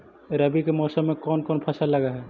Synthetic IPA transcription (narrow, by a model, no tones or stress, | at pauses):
ɾɐbikemɔːsəmːẽkɔːnkɔːnpʰɐsalːɐɡaɦɛː